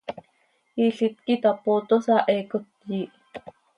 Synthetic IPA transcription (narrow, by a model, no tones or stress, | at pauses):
iɬit̪̚kit̪apot̪osɑʔɛkot̪jiʔ